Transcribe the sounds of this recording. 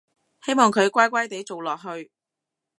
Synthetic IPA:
he˥jmɔː˨˩ŋkʰɵ˨˧ɥkʷaː˥jkʷaː˥jt̪e˨˥jt͡so˨wlɔː˨k̚ɦɵ˧ɥ

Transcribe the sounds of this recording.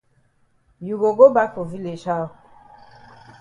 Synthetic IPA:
ju˨ɡo˨ɡo˦ba˦ko˨vi˦le˨ʃa˦o˨

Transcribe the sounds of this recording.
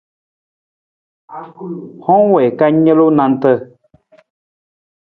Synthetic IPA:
hɔ̃˦ŋwɛ˨ka˦ɲə˦lo˦nã˧n˦tə˦

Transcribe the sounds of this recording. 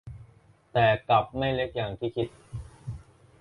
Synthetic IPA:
t̪ɛː˨˩ka˨˩p̚ma˥˩jle˦˥k̚jaː˨˩ŋt̪ʰiː˥˩kʰi˦˥t̪̚

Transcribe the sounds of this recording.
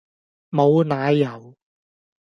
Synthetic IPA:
mo˨˧wnaː˨˧jjɐ˨˩w

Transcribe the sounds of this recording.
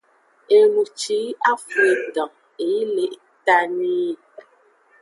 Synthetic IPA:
e˨lu˨t͡ʃi˨˦a˦fe˨dɔ̃˨ | e˨ji˦le˨ʔta˦ni˦˨

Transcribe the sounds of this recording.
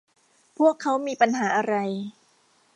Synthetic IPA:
pʰu˥˩əkʰːa˦˥wmiː˧pa˧nɦaː˩˦ʔa˧ɾa˧j

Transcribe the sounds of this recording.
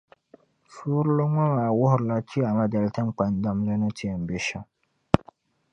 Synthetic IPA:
fuː˦ɾlo˦ŋɔ˦maː˨wʊ˦hʊ˨ɾla˦t͡ʃi˦a˨ma˦dɛ˨lta˦m˦k͡pa˨n˦da˦m˦le˦nʊ˦tʰi˦ɛ˨m̩˨be˦ʃa˦

